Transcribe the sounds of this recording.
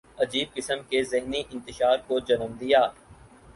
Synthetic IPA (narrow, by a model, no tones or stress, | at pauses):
ɐd͡ʒiːb̚kɪsəmkezɪɦniʔɪ̃nt̪ɪʃaːɾkod͡ʒɐnəmd̪ijaː